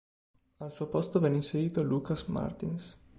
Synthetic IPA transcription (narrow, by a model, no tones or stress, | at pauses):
alsuopɔst̪ovɛninseɾiːt̪olukasma̰ɾt̪ins